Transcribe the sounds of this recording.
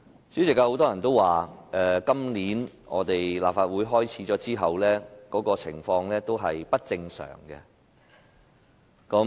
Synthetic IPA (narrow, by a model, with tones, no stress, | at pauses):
sy˨˥sɪ˨kːaː˧ho˨˥wt̪ɔː˥jɐ˨˩nt̪o˥waː˨ʔɛː˨˧kɐ˥mliː˨˥n | ʔɔ̰ː˨˧t̪e˨jla̰ː˨p̚faː˧t̚wuː˨˥jɦɔː˥jt͡sʰiː˨˥t͡sɔː˨˥t͡siː˥ɦɐ˨wlɛː˥kɔː˨˥kɔː˧t͡sʰɪ̰˨˩ŋfɔː˧ŋlɛː˥t̪o˥wɦɐ˨jpɐ˥t̚t͡sɪ˧ŋsœ̰ː˨˩ŋkɛ̰˧ | kɐ˨˥m